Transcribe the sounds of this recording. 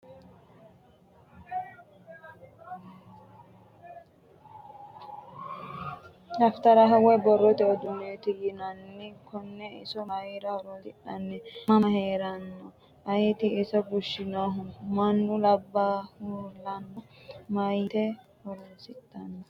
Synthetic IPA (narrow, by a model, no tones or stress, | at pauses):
lɐft̪ɐɾɐɦɐwɛbɔrːɔt̪ɛɔd̪ʊneːt̪ɪjɪnɐnːɪkɔnːɛɪsɔmɐjiɾɐhɔɾɔtɪɗɐnːɛɐmɐheːɾɐnːɔ | ʔɐjɪt̪ɪːsɔɡʊʃːɪnɐɦʊmɐnːʊlɐbːahulɐnːɔmɐjt̪ɛ | hɔɾosɪt̪ːɐnːɔ